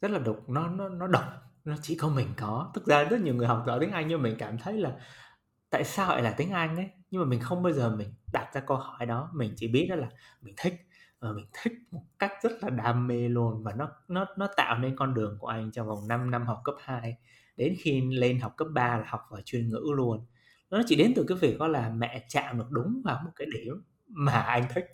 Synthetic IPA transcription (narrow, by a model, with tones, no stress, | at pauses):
zə˦˥t̚laː˨˩ɗʊ˨˩k͡p̚nɔ˨˦nɔ˨˦nɔ˨˦ɗə˨˩wk͡p̚nɔ˨˦t͡ɕḭ˧˩kɔ˨˦mï˨˩ŋ̟kɔ˨˦t̪ɨ˦˥k̚zaː˧zə˦˥t̚ɲ˨əwŋ˨˩əjɦa˨˩k͡p̚za˧˩t̪i˨˦ŋʔa˧jŋ̟ɲɨ˧maː˨˩i˨˩ŋ̟kaː˧˩mt̪ʰə˨˦jlaː˨˩ | t̪a̰ː˧˨jsaː˧hɔ̰˧˨jlaː˨˩t̪ï˨˦ŋ̟ʔa˧jŋ̟ʔə˨˦jɲɨ˧maː˨˩mï˨˩ŋ̟xə˧wŋ͡mɓə˧jzəː˨˩mï˨˩ŋ̟ɗaː˨˩t̚zaː˧kə˧hɔ˧˩jɗɔ˨˦mï˨˩ŋ̟t͡ɕḭ˧˩ɓi˦˥ət̚ɗɔ˨˦laː˨˩mï˨˩ŋ̟t̪ʰï˦˥k̟̚ | vaː˨˩mï˨˩ŋ̟t̪ʰï˦˥k̚mo˨˩t̚ka˦˥jk̚zə˦˥t̚laː˨˩ɗaː˧mːe˧lu˧ənvaː˨˩nɔ˨˦nɔ˨˦nɔ˨˦t̪a̰ː˧˨wne˧nkɔ˧nɗɨ˨˩əŋku˧˩əʔa˧jŋ̟t͡ɕɔ˧va˨˩wna˧mna˧mɦa˨˩wk͡p̚kəː˦˥p̚haː˧j | ɗe˨˦nxi˧le˧nɦa˨˩wk͡p̚kəː˦˥p̚ɓaː˧laː˨˩hɔ˨˩k͡p̚vaː˨˩t͡ɕwi˨˩ənŋɨ̰˧˥lu˧ən | nɔ˨˦t͡ɕḭ˧˩ɗe˨˦nt̪ɨ˨˩kaː˨˦jvi˨˩k̚kɔ˨˦laː˨˩mɛ̰˧˨t͡ɕa̰ː˧˨mɗɨ˨˩ək̚ɗʊ˨˦ŋ͡mvaː˨˩wmo˨˩t̚kaː˨˦jɗe˧˩m | maː˨˩ʔa˧jŋ̟t̪ʰï˦˥k̟̚